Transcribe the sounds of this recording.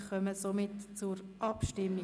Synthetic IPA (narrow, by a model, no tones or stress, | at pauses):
χœməsomɪtt͡sʊɾʔɑpʃtɪmːi